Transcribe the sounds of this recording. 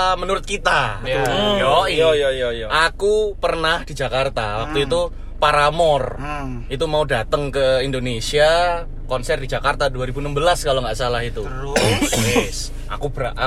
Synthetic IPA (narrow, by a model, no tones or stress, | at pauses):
mənuɾʊt̪̚kit̪a | jɔjjjakupərnahd̥i̤d͡ʒa̤kart̪a̰wak̚t̪uit̪u | paɾamɔr | it̪̬umaudat̪əŋkəindonesia | kɔnsɛrdid͡ʒakart̪aduaɾibunəmbəlaskaloŋɡaʔsalaɦit̪u | ɪs | ʔa̰kub̥əɾa̰ʔʔ